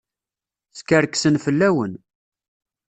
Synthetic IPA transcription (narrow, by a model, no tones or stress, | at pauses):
θkəɾksənfəlːæwən